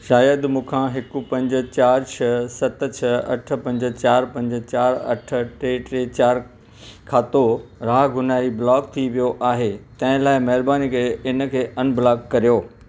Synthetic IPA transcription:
ʃaːjəd̪mũːkʰãːɦɪkupɐ̃ɲd͡ʑə̆t͡ɕaːɾt͡ɕʰɐsɐt̪̆t͡ɕʰɐɐʈʰə̆pɐ̃ɲd͡ʑə̆t͡ɕaːɾpɐ̃ɲd͡ʑə̆t͡ɕaːɾɐ̰ʈʰə̆ʈeːʈɾeːt͡ɕaːɾ | kʰaːt̪oɾaːɡʊnaːɾiblɔːkt̪ʰiʋijoʔaːɦet̪ɐ̃ɦɪ̃laːɪmɐɦɪɾbaːnikeeɪnə̆kʰeːʔɐnblaːkːɐɾijoː

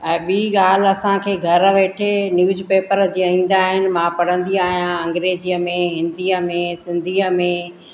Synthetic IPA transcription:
ɛ̃ːɓiːɠaːl̤ɐsãkʰeːɡʱɐɾʋeːʈʰenjuːd͡ʑpeːpəɾd͡ʑiːaĩːn̆d̪aːɦɪnɪ̆mãpɐɽ̤ə̃nd̪iaːɦijãɐ̃ŋɡɾeːd͡ʑiəmẽɦɪ̃nd̪iːəmẽsɪ̃nd̪ʱiːəmẽ

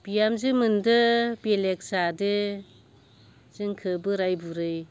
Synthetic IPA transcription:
b̥ijamzɯmɯndɯbelek̚sadɯ | z̥ɯŋkʰɯbɯɾajbuɾɯj

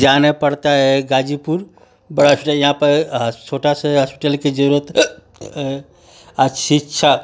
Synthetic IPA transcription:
d͡ʒanepəɽt̪aɦɛɡad͡ʒipuɾ | bəɽaɦəspiʈəljəɦãpəɾɦt͡ʃʰoʈaseɦəspi̥ʈəlked͡ʒəɾət̪ | aʃitːʃʰa

